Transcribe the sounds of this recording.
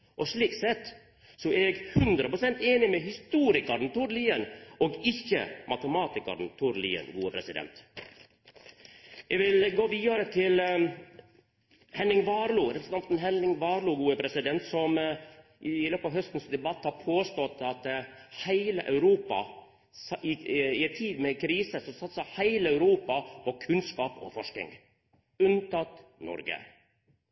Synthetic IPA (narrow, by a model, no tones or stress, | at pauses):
ʔɔʂɭiːksɛt̪ː | sɔɛɡhʉnd̪ɾəpɾʊsɛnt̪eːnɪmɛhɪst̪uːɾɪkɑɾn̩t̪ʰʊɾliːənɔːɡɪçːə̰mɑt̪əmɑːt̪ɪkɑ̰ɾn̩t̪ʰʊɾlḭːə̰nɡuːəpʰɾɛsɪd̪ɛ̰nt̪ | ʔɛɡʋɪlɡoːʋiːɑɾət̪ʰɪl | hɛnɪŋʋɑːɾluːɾɛpɾəsənɑnt̪n̩ɦɛnɪŋʋɑːɾluːɡuːəpʰɾɛsɪd̪ɛnt̪sɔm | ʔɪløːpɑʋɦœst̪n̩sd̪ɛbɑt̪ːhɑːɾpʰoːst̪ɔt̪ːɑt̪hæɪlə̰ʔɑ̰ʉɾuːpɑ̰ | ɪɪɛt̪ʰiːd̪mɛkʰɾiːsəsɔsɑt̪sɑhæɪləœʉɾuːpɑpʰɔkʰʉnskɑːpɔ̰fɔʂkɪ̰ŋ | ʉnt̪ʰɑt̪nɔ̰ɾɡə̰